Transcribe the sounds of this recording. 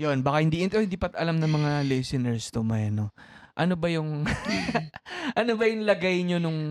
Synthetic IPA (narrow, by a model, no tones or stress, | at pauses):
jonbaːkɐhɪnd̪iːʔɪnt̪ɛhɪnd̪iːpɐt̪ʔɐlamnɐŋmɐŋalɛsɪnɛɹst̪ʊmɐjɐnoʔɐnobɐjʊŋ | ʔɐnobɐjʊŋlɐɡajɲonʊŋ